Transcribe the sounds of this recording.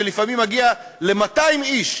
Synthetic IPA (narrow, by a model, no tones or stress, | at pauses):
elifamimaɡia | le̞mataimiʃ